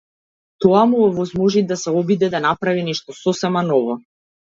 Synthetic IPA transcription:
t̪ɔamuɔvɔzmɔʒid̪asɛɔbid̪ɛd̪anapɾavinɛʃt̪ɔsɔsɛmanɔvɔ

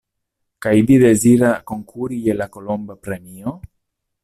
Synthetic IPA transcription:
kajd̪id̪eziɾakoŋkʰuɾijelakolombapɾemio

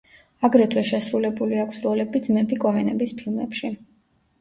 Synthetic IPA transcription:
aɡɾɛt̪ʰwɛʃɛsɾulɛbuliakʷʰsɾɔlɛbid̪zmɛbikʼɔɦɛnɛbispʰilˠmɛ̰pʃi

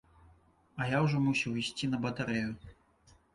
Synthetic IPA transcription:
ɐjawʐɔmusʲɛwisʲt͡sʲinɐbɐt̪aɾɛju

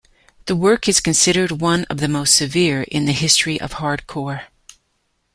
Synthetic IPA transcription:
ðɨwɜ˞kɨz̥kɨ̃n̩sɪɾə˞d̚wʌ̃nʌ̰vðɨmoʊstsɨvɪɹɪ̰̃nðɨhɪstɹ̥iʔʌ̰v̥hɑɹd̚kʰɔɹ

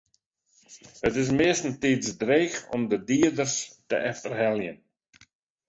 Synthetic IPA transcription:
hətɪs̬mɪəstn̩tisdreːxɔ̰mdədiərdərstə̰ʔɛftərɦɛlˠjən

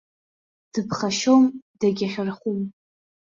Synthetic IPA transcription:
d̥ɨpʰχaʃomdaɡʲaχʲɪrχum

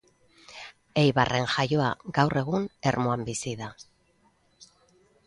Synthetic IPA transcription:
e̞jβarʔe̞nʝajo̞a̰ɡawrʔe̞ɣ̞une̞ɾmo̞ambisiða

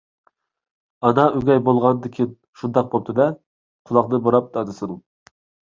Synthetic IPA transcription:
ɑnɑøɡʲɛjbolˠʁɑnd̪ɪkʲʰin | ʃund̪ɑq̚bop̚t̪ʰɨd̪ɛ | qʰʊlˠɑqnɨboɾɑp̚d̪ɑd̪ɨsɨn

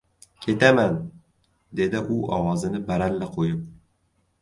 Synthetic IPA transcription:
kʲʰe̞t̪aman | d̪e̞d̪ɪʔʊʔɒwɒzɪnɪbaɾalːɪqʰojɪp̚

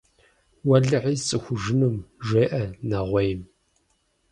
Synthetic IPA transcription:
wɐɮɨʕiːt͡sʼɨxʷʊʒɨnɨmʒeːʔɐnaʁʷɔjm

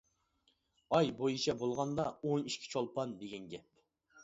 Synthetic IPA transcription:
ɑjbojit͡ʃʰɛbolˠʁɑnd̪ɑoniʃkʲʰi̥t͡ʃʰolˠpɑnd̪eɡʲɛnɡʲɛp̚

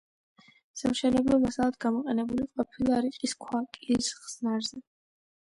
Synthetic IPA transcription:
samʃɛnɛblˠɔmasalˠat̪ɡamɔqʼɛnɛbuliqʼɔpʰilˠaɾiqʼiskʰwakʼisʁz̥naɾzɛ

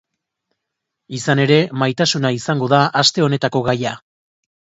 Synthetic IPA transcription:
isane̞ɾe̞majt̪asunaisaŋɡo̞ðaʔast̪e̞o̞ne̞t̪ako̞ɣaja

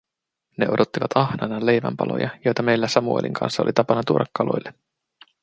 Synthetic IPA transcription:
ne̞o̞dʔo̞t̪ːiʋɑt̪ɑhnɑnɑle̞jʋæ̰mpɑ̰lo̰jʔɑjo̞jt̪ɑme̞jlːæsɑmuḛlʔḭŋkʰɑ̰nsːɑolʔit̪ɑpɑnɑt̪uɾʔɑkːɑlo̞̰jlːe

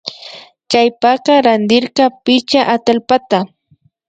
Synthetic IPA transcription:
kajpaqɑɾand̪ɪɾqɑpɪt͡ʃaʔat̪alpat̪a

